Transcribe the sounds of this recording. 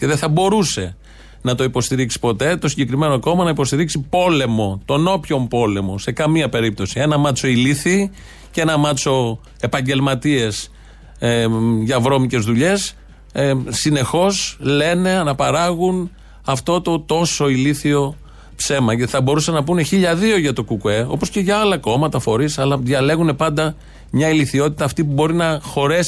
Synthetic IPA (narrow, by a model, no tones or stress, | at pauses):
ce̞ðeθɐbo̞ɾuse̞ | nɐt̪o̞ipo̞st̪iɾiksi̥po̞t̪e̞t̪o̞siɲɟe̞kɾime̞noko̞mɐnɐipo̞st̪iɾiksipo̞le̞mo̞t̪o̞no̞pço̞mpo̞le̞mo̞se̞kɐmiɐpe̞ɾip̚t̪o̞sie̞nɐmɐt͡so̞iliθi | ce̞nɐmɐt͡so̞ | e̞pɐɲɟe̞lmɐt̪ie̞s | ʝɐvɾo̞mice̞zðuʎe̞s | ine̞xo̞sle̞ne̞ɐnɐpɐɾɐɣun | ɐft̪o̞t̪o̞t̪o̞so̞iliθio̞ | pse̞mɐʝɐt̪iθɐbo̞ɾusɐnɐpune̞çiʎɐðio̞ʝɐt̪o̞kukueo̞̰po̞sce̞ʝɐɐlɐko̞mɐt̪ɐfo̞ɾisɐlɐðjɐle̞ɣune̞pɐnd̪ɐ | mɲɐiliθio̞t̪it̪ɐːft̪ipubo̞ɾinɐxo̞ɾes